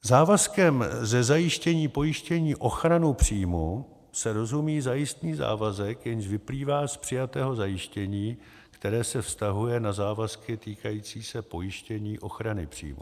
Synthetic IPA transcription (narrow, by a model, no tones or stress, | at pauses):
zaːvaskɛmzɛzajɪʃcɛɲiːpo̞jɪʃcɛɲiːʔo̞xɾanupr̝̥iːmu | sɛɾo̞zumiːzajɪst̪niːza̰ːvazɛkjɛɲʃvɪpliːvaːspr̝̥ɪjat̪ɛːɦo̞zajɪʃcɛɲiː | kt̪ɛɾɛːsɛfst̪aɦujɛnazaːvaskɪt̪iːkajiːt͡siːsɛpo̞jɪʃcɛɲiːʔo̞xɾanɪ̰pr̝̥ḭːmṵ